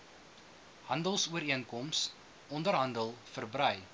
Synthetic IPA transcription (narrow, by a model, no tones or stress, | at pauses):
hɐndəlˠsuəɾiənkɔms | ɔndərɦɐndəlˠfərbrœɥ